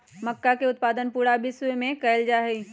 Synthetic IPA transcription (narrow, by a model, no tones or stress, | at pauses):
mɐkːakeʊt̪̚paːd̪ənpuːɾabʱiswemẽkɐld͡ʒaːɦei